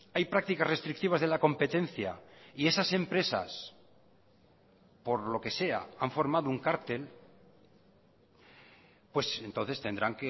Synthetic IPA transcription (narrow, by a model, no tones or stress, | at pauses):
ajpɾak̚t̪ikasre̞st̪ɾik̚t̪iβazðe̞lako̞mpe̞t̪e̞n̟θja̰ie̞sase̞mpɾe̞sa̰s | po̞ɾlo̞ke̞se̞a̰aɱfo̞ɾmaðouŋkaɾt̪e̞l | pwe̞se̞nt̪o̞nθe̞st̪e̞nd̪ɾaŋke